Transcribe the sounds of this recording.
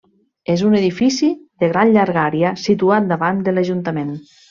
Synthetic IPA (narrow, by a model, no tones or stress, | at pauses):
ezuneðifisiðeɣɾanʎaɾɣaɾjasit̪uat̪̚d̪aβand̪əlaʒunt̪əmen